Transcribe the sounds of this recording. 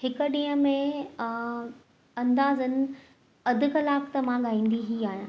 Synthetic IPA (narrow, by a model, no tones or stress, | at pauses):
ɦɪkə̆ɗĩːɦə̃mẽ | ɐ̃nd̪aːzənɪ̆ | ɐd̪ʱɪ̆xɐlaːft̪ɐmãɠaːĩːn̆d̪iɦiaːɦjãː